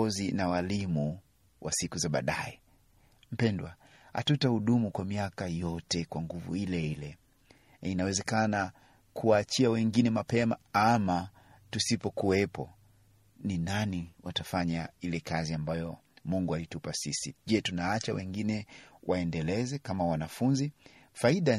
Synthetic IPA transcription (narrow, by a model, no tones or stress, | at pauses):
ɔzinawalimu | wʔasikuzaɓa̰ɗajɛ | m̩pɛndwa | ha̰tutahuɗumukwamiakajɔtɛkwaŋɡuvṵilɛilɛ | inawɛzɛkana | kʰuwaːt͡ʃiawɛŋɡinɛmapɛmaama | tusipɔkuɛpɔ | ninaniwatafaɲailɛkaziambajɔ | muŋɡualitupasisiʄɛtunaat͡ʃawɛŋɡinɛwʔaɛndɛlɛzɛkamawanafunzi | faiɗa